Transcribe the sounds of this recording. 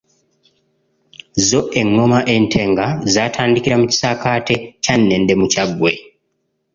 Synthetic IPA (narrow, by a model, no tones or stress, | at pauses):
zo̞ʔe̞ŋːo̞maʔe̞ntʰe̞ːŋɡazaːtʰaːndikiɾamuci̥sakaːte̞canːe̞ːndemucaɡwe̞